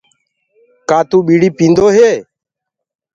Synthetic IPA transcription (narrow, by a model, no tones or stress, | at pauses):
kaːt̪ũːɓiːɽiːpĩːnd̪oːɦeː